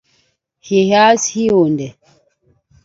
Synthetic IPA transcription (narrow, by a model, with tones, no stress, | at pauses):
he˨ha˦shi˦o˨ndɛ˨